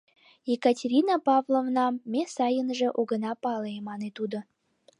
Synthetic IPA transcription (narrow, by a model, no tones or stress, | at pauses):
jekɑtʲeɾʲinɑpɑvlˠovnɑːesɑjənʒĕʔuɡə̆nɑpɑleemɑnet̪ud̪ŏ